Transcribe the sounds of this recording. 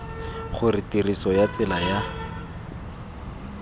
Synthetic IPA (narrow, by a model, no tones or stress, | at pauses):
χʊritirisɔjat͡sɪlaja